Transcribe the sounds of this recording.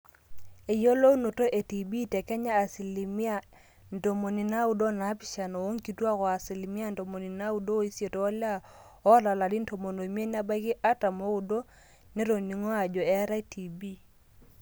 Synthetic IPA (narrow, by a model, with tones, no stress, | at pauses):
e˨jo˦lo˦u˦no˨to˦ʔe˨ti˨bi˦tɛ˨kɛ˦ɲaː˦˨si˨li˨mi˦a˦˨ | n˨do˨mo˨ni˨na˦u˦do˦na˨˦pi˨ʃa˨no˨wo˦ŋki˨˦twa˦kɔ˨a˨si˨li˨mi˦a˦n˨do˨mo˨ni˨na˦u˦do˦i˦sje˨toː˨˦la˦ | ɔ˦la˨la˨di˦n̩˦to˨mo˨no˨mje˦n˦a˦ba˦ki˦ʔa˦ta˨mo˦u˨do˦ | ne˦ɾo˨ni˨ŋo˦a˨d͡ʒɔ˨ɛ˦ɾa˦e˦ti˨bi˦˨